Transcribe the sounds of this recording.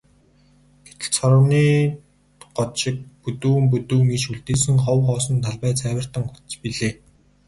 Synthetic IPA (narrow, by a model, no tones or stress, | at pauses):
ɡ̥et̪ɘ̥̆ɮt͡sʰɔɾə̆wniː | ɢɔt̪ʃɪ̆k̚pɵt̪uːmpɵt̪uːmiʃuɮt̪eːsɘ̆ŋχɔwχɔːsɞ̆nt̪ʰaɮpæːt͡sʰæːwə̆r̥t̪ə̆ŋxu̥tt͡spiɮeː